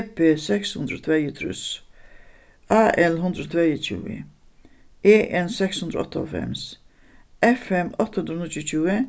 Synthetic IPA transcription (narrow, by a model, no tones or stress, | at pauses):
peːsɛkshʉnd̪ɾot̪ʰvɛɪət̪ʰɾʉ̰s | ɑːʔɛlɦʉnd̪ɾəot̪ʰvejət͡ʃʉ̰ːə̰ | eːʔɛnsɛkshʉnd̪ɾəɔ̰t̪ːəɔ̰lfɛ̰ms | ʔɛfɛmɔt̪əhʉnd̪ɾəntʊt͡ʃʉːə